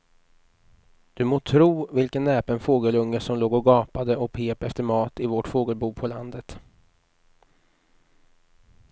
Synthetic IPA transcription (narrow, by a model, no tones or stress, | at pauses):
d̪̥ɵmoːt̪ʰɾuːvɪlkənːɛːpənfoːɡəlɵŋːəʂɔmloːɡɔɡɑːpad̪əɔkpʰeːpɛft̪əɾmɑːt̪ɪvɔʈfoːɡəlbuːpʰɔland̪ət̪